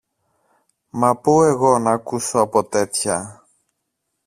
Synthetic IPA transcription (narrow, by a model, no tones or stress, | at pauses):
mɐpue̞ɣo̞nɐːkuso̞ɐpo̞t̪e̞t̪çɐ